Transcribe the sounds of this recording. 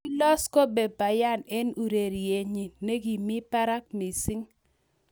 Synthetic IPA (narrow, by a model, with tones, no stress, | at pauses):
lɔ˦sko˦be˨pa˨ja˦˨ne˦nu˨ɾe˨ɾe˨ɲi˨ne˦ɡi˨mi˦pa˦ɾa˦k̚mi˨sɪ˦ŋ